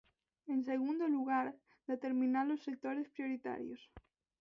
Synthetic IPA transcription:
eŋseɣund̪oluɣaɾ | d̪̥et̪eɾmĩnalosːek̚t̪oɾespɾjoɾit̪a̰ɾjo̰s

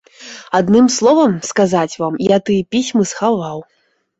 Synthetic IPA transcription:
ad̪nɨmslˠɔvɐmskazat͡sʲvamjat̪ɨpʲisʲmɨsxavaw

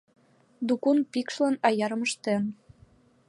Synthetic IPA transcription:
d̪ukunpikʃlɑnɑjɑɾɤ̆məʃt̪en

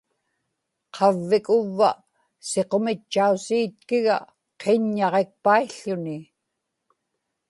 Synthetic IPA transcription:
qʰɑvːɪkʊvːa̰ | se̞qo̞mɪt͡ʃːausiːt̪̚kɪɣa̰ | qʰeɲːɑʁe̞k̚paiɬːʊnɪ

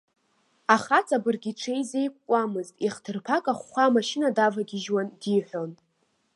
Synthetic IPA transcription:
aχat͡sʼabɨrɡʲiʈ͡ʂʰe̞jze̞jkʷʼkʷʼamɨztʼiχtʰɨrpʰakʼaχːʷamaʃɪnadavaɡʲɪʒwandiħʷᶣo̞n

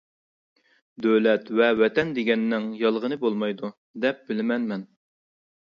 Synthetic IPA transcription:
d̪øwlɛt̪vɛwɛt̪ʰɛnd̪eɡʲɛnːɪŋjɑlˠʁənɨbolˠmɑjd̪u | d̪ɛp̚bɪlɪmɛnmɛn

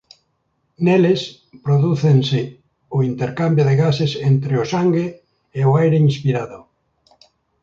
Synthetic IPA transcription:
neles | pɾoðuθensɪ | ʊint̪eɾkambjʊðeɣasesent̪ɾeʊsaŋɡeː | ʊajɾeinspiɾaðʊ

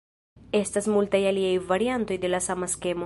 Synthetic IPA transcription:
e̞stasmultajaliajvaɾianto̞jde̞lasamaske̞mo

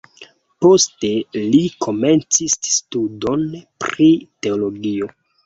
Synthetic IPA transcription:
po̞ste̞likʰo̞me̞nt͡sisːtudo̞npɾite̞olo̞ɡio̞

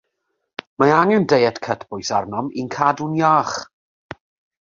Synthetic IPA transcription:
maaŋɛndejɛtkʰətʰb̥ʊjsarnɔminkʰadunjaːχ

